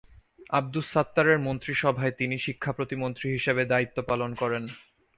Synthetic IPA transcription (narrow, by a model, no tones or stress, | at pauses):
ab̚d̪usat̪ːaɾeɾmont̪ɾiʃɔbʱaet̪iniʃikʰːapɾot̪imont̪ɾiɦiʃebed̪ait̪ːopalonkɔɾen